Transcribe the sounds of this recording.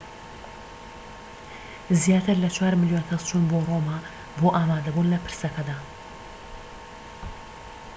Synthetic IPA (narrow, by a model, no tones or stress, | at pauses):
zjaːt̪ʰɨɾlɐt͡ʃʰwaɾmɪljonkʰɐzt͡ʃʰuːnboroːma | boʔaːmaːd̪ɐbuːnlɐpʰɨɾsɐkʰɐd̪aː